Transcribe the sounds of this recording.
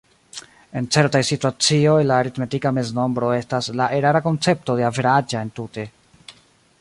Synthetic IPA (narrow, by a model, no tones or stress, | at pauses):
e̞nt͡se̞ɾtajsituat͡sio̞jlaːɾitme̞tikame̞zno̞mbɾo̞e̞staslaʔeɾaɾako̞nt͡se̞p̚to̞de̞aveɾad͡ʒaentute̞